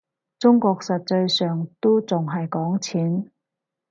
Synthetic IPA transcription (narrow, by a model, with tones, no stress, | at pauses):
t͡sʊ˥ŋkɔː˧k̚sɐ˨t̚t͡sɐ˧jsœː˨ŋt̪o˥t͡sʊ˨ŋɦɐ˨jkɔː˨˥ŋt͡sʰiː˨˥n